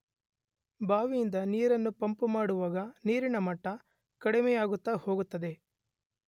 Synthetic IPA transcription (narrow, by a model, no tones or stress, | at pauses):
baːʋijind̪ɐniːɾɐnːupɐmpumaːɽuʋaːɡɐniːɾinɐmɐʈːɐ | kɐɽimejaːɡut̪ːaho̞ːɡut̪ːɐd̪e̞